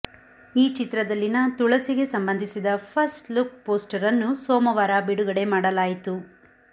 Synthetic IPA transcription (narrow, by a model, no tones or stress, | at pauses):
iːt͡ʃit̪ɾɐd̪ɐlːinɐt̪uɭɐsiɡe̞sɐmbɐnd̪ʱisid̪ɐpʰɐsʈlukpoːsʈɐɾɐnːusoːmɐʋaːɾabiɽuɡɐɽe̞maːɽɐlaːjit̪u